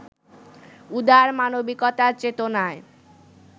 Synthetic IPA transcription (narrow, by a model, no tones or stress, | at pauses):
ud̪aɾmanobikɔt̪aɾt͡ɕet̪onae